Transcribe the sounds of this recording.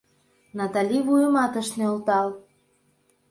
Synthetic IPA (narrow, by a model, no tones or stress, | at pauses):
nɑt̪ɑlʲiβujəmɑt̪ə̆ʃneolt̪ɑl